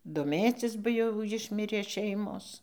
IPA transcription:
doːˈmʲeːt͡sʲɪs bɐ ˈjɛʊ ˈjɪʃʲmʲɪrʲeː ˈʃʲɛɪmoːs

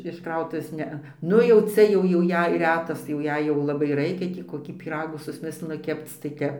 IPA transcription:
ɪʃ ˈkrɐʊtʊʋʲeːs ˈnʲɛɐ ˈnʊ jɛʊ ˈt͡sʲɛ ˈjɛʊ jɛʊ ˈjɛɪ ˈrʲæːtɐs tɐɪ jɛʊ ˈjɛɪ jɛʊ lˠɐˈbɐɪ ˈrɐɪkʲɛ ˈtʲiː koːˈkʲiː pʲiːˈrɑːɡuː sʊsʲˈmʲɪsʲlʲɪnʊ ˈkʲɛpt͡s tɐɪ ˈtʲɛp

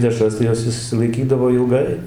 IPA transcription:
ˈdʲæːʃrɐs tɐɪ ˈjoːs ɪʃʲsʲɪlˠɐɪˈkʲiːdɐʋoː ɪlˠˈɡɐɪ

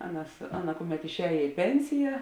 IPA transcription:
ˈɑːˌnɐs ˈɑːˌnɐ ˈkʊˌmʲɛt ɪʃʲˈɛːjeː ɪ ˈpʲɛnʲsʲɪjɛ

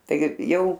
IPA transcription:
ˈtɐɪɡʲɪ ˈjɛʊ

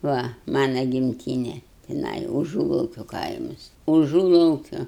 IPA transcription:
ˈʋɐ ˈmɑːnɐ ɡʲɪmʲˈtʲiːnʲɛ tʲɪˈnɐɪ ʊˈʒuːlˠɐʊkʲoː ˈkɐɪmɐs ʊˈʒuːlˠɐʊkʲoː

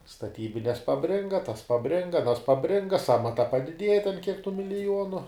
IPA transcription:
stɐˈtʲiːbʲɪnʲɛs pɐˈbʲrʲɪŋɡɐ tɐs pɐˈbʲrʲɪŋɡɐ ɐˈnɐs pɐˈbʲrʲɪŋɡɐ ˈsɑːmɐtɐ pɐdʲɪˈdʲiɛjɛ tʲɛn kʲiɛk tuː mʲɪlʲɪˈjuɔnʊ

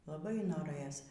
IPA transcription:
lˠɐˈbɐɪ noːˈrɘjoːs

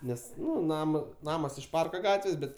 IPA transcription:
ˈnʲɛs ˈnʊ ˈnɑːmɐ ˈnɑːmɐs ɪʃ ˈpɐrkɐ ˈɡɑːtʲʋʲeːs ˈbʲɛt

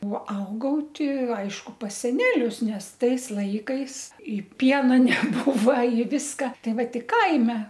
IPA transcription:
oː ˈɐʊɡɐʊ ˈtʲɪ ˈɐɪʃkʊ pɐs sʲɛˈnʲæːlʲʊs ˈnʲɛs ˈtɐɪs ˈlˠɐɪkɐɪs ˈpʲiɛnɐ nʲɛˈbuːʋɐ ɪ ˈʋʲɪskɐ ˈtɐɪ ˈʋɐ ˈtʲɪ ˈkɐɪmʲɛ

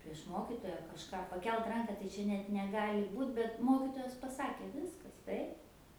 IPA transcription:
pʲrʲiɛʃ ˈmoːkʲɪtoːjɛ kɐʃˈkɑː pɐˈkʲɛlˠt ˈrɐŋkɐ tɐɪ ˈt͡ʃʲɛ nʲɛt nʲɛˈɡɑːlʲɪ ˈbuːt bʲɛt ˈmoːkʲɪtoːjɛs pɐˈsɑːkʲeː ˈʋʲɪskɐs ˈtɐɪp

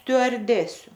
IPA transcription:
sʲtʲʊɐrʲˈdʲæːsʲʊ

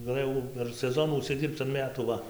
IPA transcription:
ɡɐˈlˠɘjɛʊ pʲɛr sʲɛˈzoːnuː ʊʃʲsʲɪˈdʲiːrpt͡s ɐn ˈmʲæːtuː ˈʋɐ

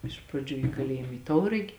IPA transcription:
ˈɪʃ prɐˌd͡ʒʲuː ɪ kɐˈlʲeːjɪm ɪ ˈtɐʊrɐɡʲɪ

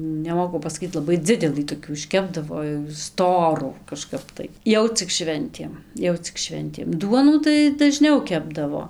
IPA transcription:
nʲɛˈmoːkʊ pɐsɐˈkʲiːt lˠɐˈbɐɪ ˈd͡zʲɪdʲɛlˠɨ toːˈkʲuː ɪʃʲˈkʲæːbdɐʋoː jɛʊ ˈstoːruː kɐˈʃkɐp tɐɪ ˈjɛʊ t͡sʲɪk ˈʃʲʋʲɛnʲtʲeːm ˈjɛʊ t͡sʲɪk ˈʃʲʋʲɛnʲtʲeːm ˈduɔnuː tɐɪ dɐˈʒʲnʲɛʊ ˈkʲæːbdɐʋoː

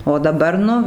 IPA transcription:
oː dɐˈbɐr ˈnʊ

